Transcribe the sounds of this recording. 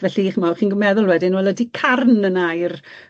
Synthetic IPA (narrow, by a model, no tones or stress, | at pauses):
vɛɬiiχəmawχiːnɡəmɛðʊlˠwɛdɪnwɛlˠədikʰarnənajr